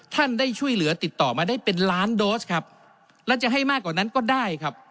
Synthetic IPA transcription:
t̪ʰa˥˩ndaː˥˩jt͡ɕʰu˥˩əjlɯ˩˦ɐt̪i˨˩t̪ːɔː˨˩maː˧daː˥˩jpe˧nlaː˦˥ndoː˦˥skʰa˦˥p̚ | lɛ˦˥wt͡ɕa˨˩ɦa˥˩jmaː˥˩kːwaː˨˩na˦˥nkɔː˥˩daː˥˩jkʰa˦˥p̚

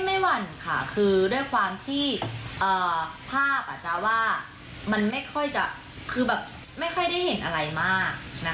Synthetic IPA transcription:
ma˥˩jwa˧nkʰa̰˥˩kʰɯː˧du˥˩əjkʰwaː˧mt̪ʰiː˥˩ʔɤː˨˩pʰaː˥˩p̚ʔa̰˨˩t͡ɕa˧˦waː˥˩ | ma˧nma˥˩jkʰɔ˥˩jt͡ɕa˨˩ | kʰɯː˧bɛː˨˩p̚ | ma˥˩jkʰɔ˥˩jda˥˩jhe˨˩˦nʔa˧ɾa˧jmaː˥˩k̚na˦˥

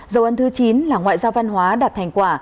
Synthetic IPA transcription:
zə˨˩wʔə˧nt̪ʰɨ˨˦t͡ɕi˨˦nlaː˨˩ŋwa̰ː˧˨jzaː˧wva˧nhwaː˨˦ɗaː˨˩t̚hʰɛ˨˩ŋ̟kwaː˧˩

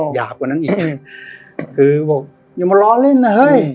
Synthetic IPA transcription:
jaː˨˩k̚kːaː˨˩na˦˥nʔiː˨˩k | kʰɯː˧bɔː˨˩k̚ | ɲa˧˩ma˧lɔː˦˥le˥˩nːa˧hɤ˦˥˩j

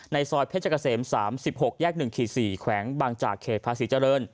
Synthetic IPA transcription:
na˧jsɔː˧jpʰeː˥˩t̚t͡ɕa˧kːa˧seː˩˦msaː˩˦msi˨˩p̚ho˨˩k̚jɛː˥˩k̚nɯ˨˩ŋkʰiː˨˩siː˨˩kʰwɛː˩˦ŋwaː˧ŋt͡ɕa̰ː˨˩kʰːeː˨˩t̪̚pʰaː˧˥siː˩˦t͡ɕa˧ɾɤː˧n

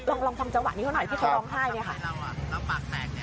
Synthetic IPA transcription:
lɔː˧ŋlɔː˧ŋt̪ʰa˧mt͡ɕa˧ŋwa̰˨˩niː˧˦˥t̪ʰn˨˩jt̪ʰiː˥˩kʰwɾɔː˧ŋɦaː˥˩jni˥˩ɐxʰa˥˩˧

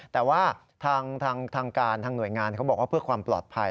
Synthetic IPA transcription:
t̪ɛː˨˩waː˥˩ | t̪ʰaː˧ŋt̪ʰaː˧ŋt̪ʰaː˧ŋkaː˧nt̪ʰaː˧ŋnu˨˩əjŋaː˧nkʰa˦˥wbɔː˨˩waː˥˩pɯ˥˩əkʰwaː˧mplɔː˨˩t̪̚pʰa˧

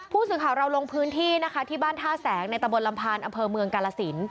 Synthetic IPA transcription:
pʰuː˥˩sɯː˩˦kʰaː˨˩˦wɾa˧wlo˧ŋpʰɯː˦˥nt̪ʰiː˥˩na˦˥kʰa˦˥t̪ʰiː˥˩baː˥˩nt̪ʰaː˥˩sɛː˩˦ŋna˧jt̪a˧bo˧nla˧mpʰaː˧nʔa˧mpʰɤː˧mɯ˧əŋkaː˧laː˧si˩˦n

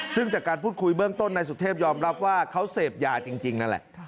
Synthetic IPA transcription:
sɯ˥˩ŋt͡ɕaː˨˩kːaː˧npʰuː˥˩kʰu˧jbɯ˥˩əŋt̪o˥˩nːa˧jsu˨˩t̪ʰːeː˥˩p̚jɔː˧mɾa˦˥p̚waː˥˩kʰa˦˥wseː˨˩p̚jaː˨˩t͡ɕi˧ŋt͡ɕi˧ŋna˦˥nlɛ̰˨˩ʔ

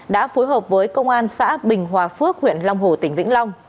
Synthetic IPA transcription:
ɗa̰ː˧˥fo˨˦jɦəː˨˩p̚vəː˨˦jkə˧wŋ͡mʔaː˧nsa̰ː˧˥ɓï˨˩ŋ̟ɦwaː˨˩fɨ˦˥ək̚hwḭ˧˨ənla˧wŋ͡mɦo˨˧˩t̪ï˨˩ŋ̟vḭ˧˥ŋ̟la˧wŋ͡m

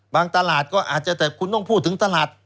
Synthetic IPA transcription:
baː˧ŋt̪a˧laː˨˩t̪̚kɔː˥˩ʔaː˨˩t̪̚t͡ɕa˨˩t̪ɛː˨˩kʰu˧nt̪ɔ˥˩ŋpʰuː˥˩t̪ʰːɯ˩˦ŋt̪a˧laː˨˩t̪̚

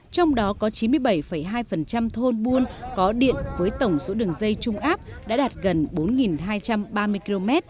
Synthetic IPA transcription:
t͡ɕɔ˧wŋ͡mɗɔ˨˦kɔ˨˦t͡ɕi˨˦nmɨ˧əjɓə˧˩jfə˧˩jɦaː˧jfə˨˩nt͡ɕa˧mt̪ʰo˧nɓu˧ənkɔ˨˦ɗḭ˧˨ənvəː˨˦jt̪ə˧˩wŋ͡mso˨˦ɗɨ˨˩əŋzə˧jt͡ɕʊ˧ŋ͡mʔaː˦˥p̚ɗa̰ː˧˥ɗaː˨˩t̚ɣə˨˩nɓo˨˦nŋi˨˩nɦaː˧jt͡ɕa˧mɓaː˧mɨ˧jki˧lo˧mɛ˦˥t̚

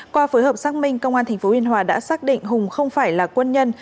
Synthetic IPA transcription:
kwaː˧fəː˨˦jhəː˨˩p̚saː˦˥k̚mï˧ŋ̟kə˧wŋ͡mʔaː˧nt̪ʰa˨˩ŋ̟fo˨˦hwi˧ənɦwaː˨˩ɗa̰ː˧˥saː˦˥k̚ɗḭ̈˧˨ŋ̟ɦʊ˨˩ŋ͡mxə˧wŋ͡mfaː˧˩jlaː˨˩kwə˧nɲə˧n

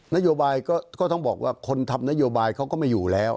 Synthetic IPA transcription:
na˦˥joː˧baː˧jkɔː˥˩kɔː˥˩t̪ɔ˥˩ŋbɔː˨˩k̚wʔaː˥˩kʰo˧nt̪ʰa˧mna˦˥joː˧baː˧jkʰa˦˥wkɔː˥˩ma˥˩juː˨˩lɛː˦˥w

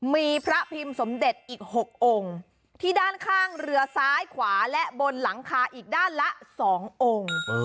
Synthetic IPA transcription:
miː˧pʰɾa˦˥pʰi˧mso˩˦mde˨˩t̪̚ʔiː˨˩k̚ho˨˩k̚ʔo˧ŋ | t̪ʰiː˥˩daː˥˩nkʰaː˥˩ŋɾɯ˧ɐsaː˦˥jkʰwaː˩˦lɛ˦˥bo˧nla˩˦ŋkʰaː˧ʔiː˨˩k̚daː˥˩nla˦˥ʔsɔː˩˦ŋʔoː˧ŋ

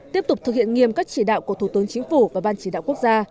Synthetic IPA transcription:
t̪i˦˥əp̚t̪ʊ˨˩k͡p̚t̪ɨ˨˩k̚hḭ˧˨ənŋi˨˩əmkaː˦˥k̚t͡ɕi˧˩ɗa̰ː˧˨wku˧˩ət̪ʰu˧˩t̪ɨ˨˦ənt͡ɕï˨˦ŋ̟fu˧˩vaː˨˩ɓaː˧nt͡ɕi˧˩ɗa̰ː˧˨wku˦˥ək̚zaː˧

